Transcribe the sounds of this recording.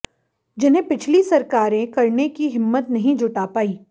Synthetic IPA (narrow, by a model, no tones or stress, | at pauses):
d͡ʒɪnɦẽpɪt͡ʃʰlisɐɾkaːɾẽkɐɾnekiɦɪmːət̪nɐɦĩd͡ʒʱʊʈaːpaːiː